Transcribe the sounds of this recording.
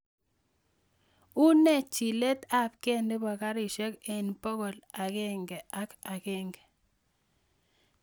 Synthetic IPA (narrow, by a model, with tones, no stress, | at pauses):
u˦nɛ˦t͡ʃi˨le˦ta˦˨pke˦˨nde˦ba˨ka˦ɾɪ˨ʃɛ˦ke˨npo˦ko˨la˨ke˦˨ŋɡɛ˨a˦ka˨kɪ˦ŋɡɛ˨